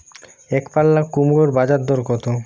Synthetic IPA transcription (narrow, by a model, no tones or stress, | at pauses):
ekpalːakːumuɾoɾbad͡ʑad̪d̪ːoɾkɔt̪o